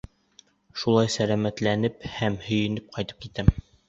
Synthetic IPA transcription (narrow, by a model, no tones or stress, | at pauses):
ʃulˠɑjsælæmæt̪lænɘphæmhɵ̆jɘ̆nɘp̚qʰɑjt̪ɤ̥p̚kit̪æm